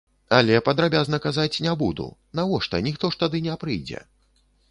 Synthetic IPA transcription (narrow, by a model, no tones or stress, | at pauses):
alʲɛpɐd̪ɾabʲaznɐkazat͡sʲnʲɛbud̪ṵnavɔʂt̪ɐnʲixt̪ɔʂt̪ad̪ɨnʲɛpɾɨjd͡zʲɛ̰